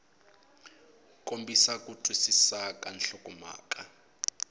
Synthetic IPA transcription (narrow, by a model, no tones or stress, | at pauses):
kombisakutʰʼwisisakʼanɬɔkʼɔma̰ːkʼa